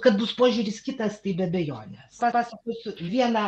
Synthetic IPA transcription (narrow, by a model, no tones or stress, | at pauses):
kɐt̪bʊspoːʒʲuːɾʲɪskʲɪt̪ɐst̪ɐɪbʲɛɐbʲɛjoːnʲɛspɑːpɑːsɐkʲuːsʲʊʋʲiɛnɐ